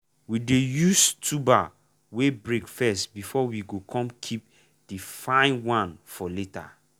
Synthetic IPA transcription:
widejustʰuba | webɹekfɛstbifɔwiɡokʰɔ̃mkʰip̚ | d̥ifãɪ̃nwãnfɔleta̰

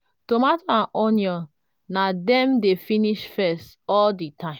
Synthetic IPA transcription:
tomataãnʔɔnjɔ̃ | nadɛ̃mdefiniʃfɛst | ɔlditʰãɪ̃

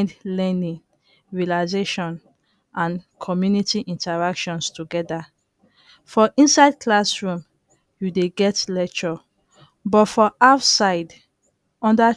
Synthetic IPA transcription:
ndlɛnĩŋ | ɹialaɪzeʃɔ̃n | ʔãnkʰɔmjunitiʔĩntaɹakʃɔ̃nstuɡɛda | fɔʔĩnsaɪd̚kʰlasɹũm | judeɡɛtlɛk̚t͡ʃɔ | bɔtfɔʔaʊtsaɪd | ɔ̃nda

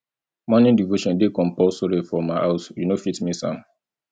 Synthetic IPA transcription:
mɔnĩndivoʃɔ̃ndekɔ̃mpɔsoɾefɔmaɪʔaʊsjunofitmisã̰m

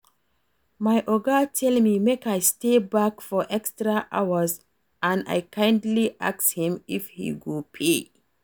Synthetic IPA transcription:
majʔɔɡatʰɛlmimekajstebakfɔʔɛkstɹaʔa̰wəs | ʔãna̰jkʰãɪ̃ndliʔa̰kshĩmifhḭɡopʰe

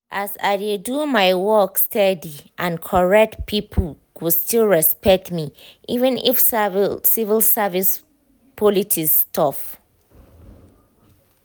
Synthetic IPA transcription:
ʔasa̰ɪdedumaɪwɔkstʰɛdiʔãnkʰɔɹɛk̚tpʰipʰəl | kustilɹɛspɛk̚tmiʔivə̃nḭfssivilsavis | pʰɔlitʰistʰɔf

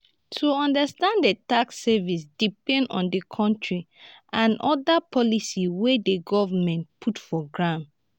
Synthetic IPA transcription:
tʰuɔ̃ndəstãndetaksɛvisd̥ipɛ̃ndɔ̰̃ndekʰɔ̃ntʰɹi | ʔãnʔɔdapʰɔlisiwedeɡɔvamɛ̃ntpʰutfɔɡɹãn

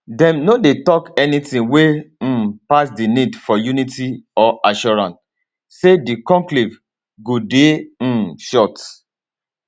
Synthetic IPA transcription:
dɛ̃mnodetɔkɛnitĩwẽ | pasdinidfɔjunitiɔʔaʃɔɹãns | sedikɔ̃ŋkliv | ɡode | ʃɔt

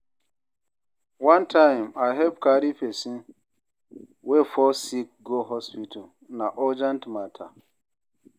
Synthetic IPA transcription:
wãntʰãɪ̃maɦɛp̚kaɾifesĩ | wefɔsik̚ɡoɦɔspitʰa | naʔɔd͡ʒɛ̃ntmatʰa̰

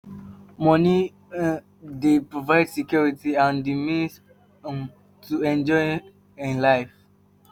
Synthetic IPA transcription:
mɔni | depɹovaɪdsikjɔɹitiãndimis | tʰuɛ̃nd͡ʒɔɪ | ĩnlaɪf

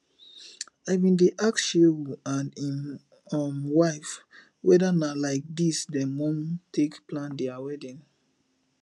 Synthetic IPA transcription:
aɪvĩndeʔakʃewuãnĩn | ɔmwaɪf | wɛdanalaɪk̚disdɛ̃mɔ̃mtʰekplãndɛawɛdĩn

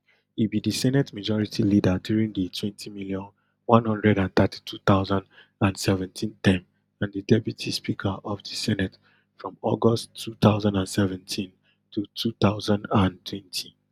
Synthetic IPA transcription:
ibidisɛnɛtmad͡ʒɔɹitʰilidadjuɹĩnditʰwɛ̃ntʰimiljɔ̃n | wãnhʌ̃ndɹɛɾãnθatʰi̥tʰuθaʊzãnd | ãnsɛvɛ̃ntʰĩntɛ̃m | ãndidɛpjutʰispikʰəʔɔvdisɛnɛt | fɹɔ̃mɔɡɔsʰuθaʊzãndãnsɛvɛ̃ntʰĩn | tʰutʰuθaʊzãndãntʰwɛ̃ntʰi

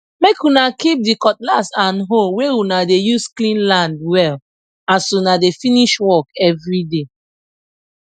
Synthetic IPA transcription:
mekunakip̚dikɔt̚lasãnɦolweunadejusklĩnlãndwɛl | ãsunadefiniʃwɔkɛvɹide

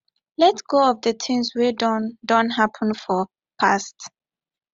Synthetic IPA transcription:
lɛtɡ̥oɔvdətʰɪ̃ŋswɛdɔdɔ̃nɦapʰə̃nfɔ | pʰast

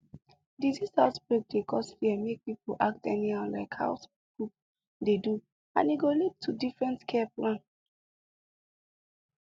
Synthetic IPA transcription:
dizisaʊtbɹek̚dekɔstfiɛmek̚pipoʔa̰k̚tɛniãla̰ɪkha̰ʊs | ɡ̥ɹup̚ | dedu | ã̰niɡolid̚tʰːudifɹɛ̃ntkʰɛɛplãn

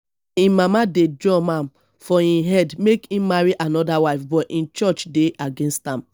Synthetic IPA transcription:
ĩmamadedɔ̃mãm | fɔĩɦɛdmekĩmaɹiʔanɔdawaɪfbɔʔĩnt͡ʃɔt͡ʃdeʔaɡẽnstãm

